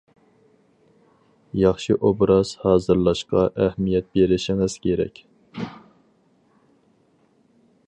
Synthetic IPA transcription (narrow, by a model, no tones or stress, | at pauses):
jɑχʃiʔobɾɑz̥hɑːzɨɾlˠɑʃqɑ̰ʔæhmijɛt̪̚beɾɪʃɪŋɨz̥kʲʰeɾɛ̰kʲ